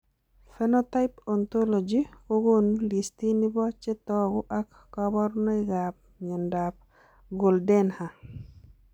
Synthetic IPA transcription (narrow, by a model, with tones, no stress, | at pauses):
fɛnota˦ɪpɔnt̪o˦lo˨d͡ʒiko˦ɡo˦nli˨sti˦ni˦bɔ˦t͡ʃɛ˦t̪ɔɡʊ˦ʔa˦kːɔbɔ˦rnɔ˦ɪɡap̚ɲɔ˨ndap̚ | ɡo˨ldɛ˦nha˨